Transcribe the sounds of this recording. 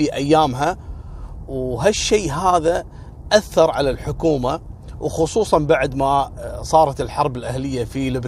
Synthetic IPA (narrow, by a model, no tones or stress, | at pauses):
iʔajːaːmɦa | wɦaʃːeːɦaːða | ʔaθːɑɾˤʕalalħʊkuːmawxʊsˤuːsˤɑnbaʕd̪masˤɑːɾˤɑt̪ɪlħɑɾˤbɪlʔahlɪjːafilɪb